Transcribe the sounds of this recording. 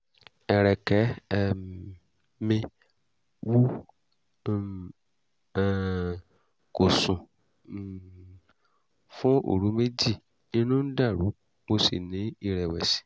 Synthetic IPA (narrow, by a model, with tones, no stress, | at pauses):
ɛ˨ɾɛ˨kɛ˨˦˨ | mĩ˧ | wu˦˨ | ko˨sũ˨ | fũ˦o̰˦˨ɾu˨˦me˦d͡ʒi˦˨ | nĩ˧nũ˦n̩˦da˦˨ɾu˨˦ | mo˧sḭ˨nĩ˨˦i˦˨ɾɛ˨wɛ˨sĩ̥˨˦